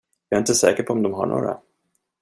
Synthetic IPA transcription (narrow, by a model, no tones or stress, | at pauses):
jɑɾɪnt̪əsɛːkəpʰɔɔmd̪ɔmɦaɳo̰ːɾa̰